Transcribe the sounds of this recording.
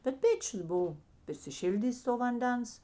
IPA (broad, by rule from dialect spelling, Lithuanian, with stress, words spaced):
bʲɛt ˈpʲeːt͡ʃʲʊs ˈbʊʋoː pʲrʲɪsʲɪˈʃʲɪlʲdʲiːsʲ toː ʋɐnʲˈdʲɛns